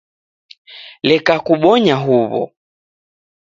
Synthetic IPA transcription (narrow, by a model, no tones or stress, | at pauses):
lɛkakuɓɔɲaɦuβɔ̰